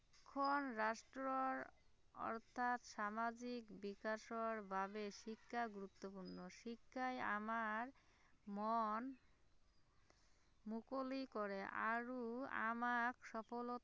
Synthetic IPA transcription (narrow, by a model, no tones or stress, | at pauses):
kʰːonɾaʃʈɾoɾ | ɔ̰ɾt̪ʰat̪ʃamad͡ʑikbikaʃoɾbʱabeʃikʰːaɡuɾut̪ːopuɾnoʃikʰːaja̰maɾ | mɔn | mukolikoɾeʔa̰ɾua̰makʃɔfolo